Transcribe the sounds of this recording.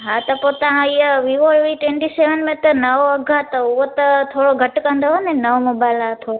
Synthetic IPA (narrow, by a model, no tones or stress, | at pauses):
ɦãt̪əpot̪ãijəʋiʋoɭʋiʈʋẽɳʈiseʋənmẽt̪ənəʋoəɡʱat̪əuʋot̪ət̪ʰoɽoɡʱəʈkə̃nd̪ʱəɦonenəʋmobajlat̪ʰo